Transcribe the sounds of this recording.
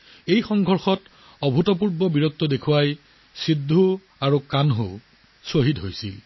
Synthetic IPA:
ejxɔŋɡʱɔɹxɔt | ɔbʱutɔp̬uɹbɔbiɹɔt̪ːɔdekʰuwaj | sidʱːu | aɹukanɦu | soɦitɦojsḭl

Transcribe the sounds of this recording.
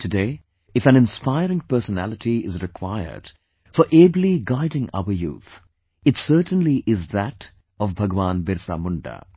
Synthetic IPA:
tʰɨdeː | ɨfæ̃nɪ̃nspaɪɾɪ̃ŋpəɾsənæ̰lɪʈʰiɪzɾɪkʰwaɪə̰d̥ | fɔɾʔeːbliɡaɪdɪ̃ŋa̰ʊəjṵːt̪ | ɪtsəːʈə̃nliʔɪzðæʈ | ɔvbʱʌɡʋãːnbɪɾsa̰mʊ̃ɳɖa̰

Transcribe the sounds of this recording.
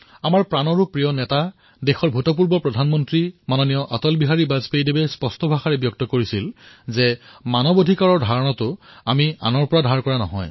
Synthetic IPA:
amaɹpɹanɔɹupɹijɔnɛta | dexɔɹbʱutɔp̬uɹbɔpɹɔdʱanmɔntɹimanɔnijɔʔatɔlbiɦaɹibazpejdebɛspɔstɔbʱaxaɹɛbjɔk̚tɔkoɹisilzɛmanɔbodʱikaɹɔɹdʱaɹɔnɔtʊamia̰nɔɹpɔɹadʱaɹkɔɹanɔ̰ɦɔj

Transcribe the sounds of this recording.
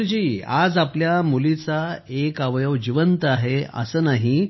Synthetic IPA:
d͡ʑiːa̰d͡zapljamulit͡saekaʋjəʋd͡ʑiʋənt̪aɦeə̰səːnaɦi

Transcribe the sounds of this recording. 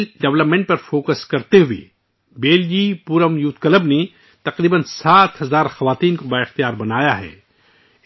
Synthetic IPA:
ɖɛʋləpmẽɳʈ̚pɐɾfoːkəskɐɾt̪eɦʊḛ | beːld͡ʒiːpuɾəmjuːt̪kələbne | t̪ɐqɾiːbənsaːt̪ɦɐzaːɾxɐʋaːt̪iːnkobaɪxt̪ijaːɾbɐnaːjaɦɛ̰ː

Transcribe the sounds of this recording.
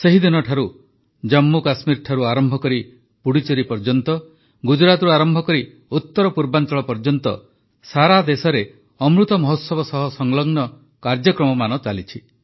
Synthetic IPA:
seɦid̪inɔʈʰaɾu | d͡ʒɔmːukasmiɾʈʰaɾuaɾɔmbʱɔkɔɾi | puɽit͡ʃɔɾipɔɾd͡ʒɔnt̪ɔ | ɡud͡ʒɾat̪ɾuaɾɔmbʱɔkɔɾi | ut̪ːɔɾɔpuɾbant͡ʃɔɭɔpɔɾd͡ʒɔnt̪ɔ̰ | saɾad̪esɔɾe | ɔmɾut̪ɔmɔɦɔt̪sɔbɔsɔɦɔsɔŋlɔɡnɔ | kaɾd͡ʒɔkɾɔmɔmanɔt͡ʃalit͡ʃʰi

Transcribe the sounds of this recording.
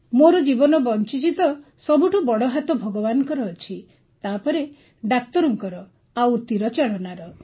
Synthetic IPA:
moɾɔd͡ʒibɔnɔbɔnt͡ʃit͡ʃit̪ɔ | sɔbʱuʈubɔɽɔɦat̪ɔbʱɔɡɔbanɔkɔɾɔːt͡ʃʰi | t̪apɔɾe | ɖak̚t̪ɔɾɔŋkɔɾɔ | awt̪iɾɔt͡ʃeɭɔnaɾɔ

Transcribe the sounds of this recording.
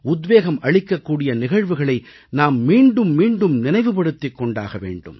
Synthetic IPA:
ʊd̪ʋeːɣɐmʔɐɻɪkːɐkːuːɽɪjɐnɪɣɐɻʋɯɣɐɭɐɪ | naːmːiːɳɖɯmːiːɳɖɯmnɪnɐɪʋɯpɐɽɯt̪ːɪkːɔɳɖa̰ːɣɐʋḛːɳɖɯ̰m

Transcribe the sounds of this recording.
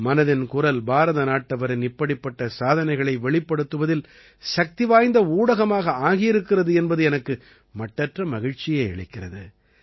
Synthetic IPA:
mɐnɐðɪnkʊrɐlbaːɾɐðɐnaːʈːɐʋɐɾɪnɪpːɐɽɪpːɐʈːɐsaːðɐnɐɪɣɐɭɐɪʋɛɭɪpːɐɽɯt̪ːɯʋɐðɪl | ʃɐk̚t̪ɪʋaːjnd̪ɐuːɽɐɣɐmaːɣɐaːɣɪjɪɾɯkːɪrɐðɯɛnbɐðɯɛnɐkːɯ | mɐʈːɐʈrɐmɐɣɪɻt͡ʃɪjɐɪɛɭɪkːɪrɐðɯ

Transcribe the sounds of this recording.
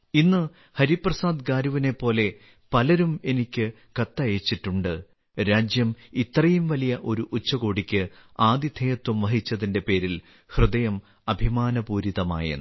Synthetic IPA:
inːɨ | hɐɾiprɐsaːd̪kaːɾuʋine̞pːo̞ːle̞ | pɐlɐɾume̞nikʲːɨ | kɐt̪ːɐjeːt͡ɕːiʈːuɳɖɨ | ɾaːd͡ʑjɐmit̪rɐjumʋɐlijɐʔo̞ɾuʔut͡ɕːɐɣo̞ːɽikʲːɨaːd̪it̪ʰejɐt̪ːumʋɐɦit͡ɕːɐðinde̞pe̞ːɾil | hrɨd̪ɐjɐm | ɐbʱimaːnɐpuːɾiðɐma̰ːjɐ̰n

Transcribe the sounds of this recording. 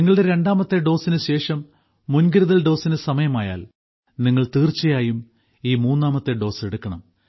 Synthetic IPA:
niŋːɐɭɽe̞ɾe̞ɳɖaːmɐt̪ːe̞ɖo̞ːsinɨɕe̞ːʂɐmː | unɡiɾuɐðɐlɖo̞ːsinɨsɐmɐjɐmaːja̰ːl | niŋːɐɭt̪iːrt͡ɕːɐjaːjum | iːmuːnːaːmɐt̪ːeɖo̞ːseɽukːɐɳɐ̰m

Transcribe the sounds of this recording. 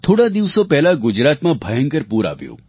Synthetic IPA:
t̪ʰoɽad̪iʋsopɛɦlaɡʊd͡ʒɾat̪mãbʱəjə̃ŋkəɾpuɾa̰ʋjṵ̃ː

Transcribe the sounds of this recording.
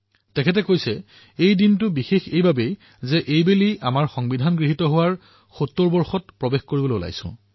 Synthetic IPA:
tɛkʰɛt̬ɛkojsɛ | ejdintʊbixexejbabej | zɛʔejbeliʔa̰maɹxɔŋbidʱanɡɹiɦitɔɦʊwaɹ | xotːoɹbɔɹxɔtpɹɔbexkoɹiboloʊla̰jsʊ̰̃

